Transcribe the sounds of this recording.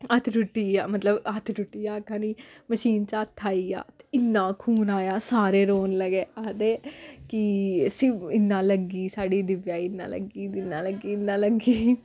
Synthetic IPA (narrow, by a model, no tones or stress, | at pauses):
ət̪ʰɖʊʈːiːaːmət̪ləbət̪ʰɾʊʈːiːaːkãːniːməʃiːnt͡ʃaːt̪ʰːaːiːa̰ːt̪e̥ɪnːãːkʰuːnaːjaːsaːɾeːɾoːnləɡeːat̪eːkisiɪnːãːləɡiːsaːɖiːd̪ɪʋjaːɪnːã̰ːlə̰ɡiːd̪ɪnːãːləɡiːɪnːãːləɡiː